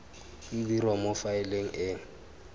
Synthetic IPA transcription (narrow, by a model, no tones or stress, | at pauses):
idirwamofaɪleŋ̩ʔɪːŋ̩